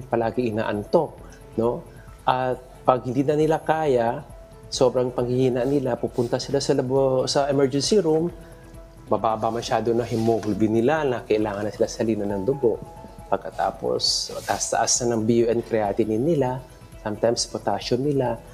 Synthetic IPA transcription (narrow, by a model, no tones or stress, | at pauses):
pɐlaːɡɪŋʔɪna̰ːʔɐnt̪o̞k̚ | no̞ | ʔɐt̪̚pɐɡ̚hɪnd̪iːnɐnɪlakaːja | so̞ːbɾɐŋpɐŋhɪhiːnɐʔnɪlapupʊnt̪ɐsɪlasɐlɐbsɐʔɛmɛɹd͡ʒɛnsɪɾum | mɐbaːbɐmɐʃaːd̪onɐɦɪmoɡlbɪnɪlanɐkɐʔɪlaːŋɐnːɐsɪlasɐliːnɐnɐŋd̪ʊɡo̞ʔ | pɐɡ̚kɐt̪a̰ːpo̞̰st̪ɐʔast̪ɐ̰ʔasnɐnɐŋbijuʔɛnkɾɛaːt̪ɪnɪnːɪla | samt̪ajmspot̪aʃonːɪla